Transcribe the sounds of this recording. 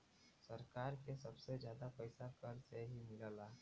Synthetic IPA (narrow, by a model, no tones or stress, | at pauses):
sɐɾkaːɾkesɐbsezjaːd̪apəɪsakəɾseɦimɪlaːlaː